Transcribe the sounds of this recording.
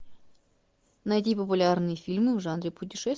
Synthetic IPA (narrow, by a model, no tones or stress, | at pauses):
nɐjtʲipəp̬ʊlʲarnɨjəfʲilʲmɨvʐanɾʲɪpʊt̬ʲɪʂɛs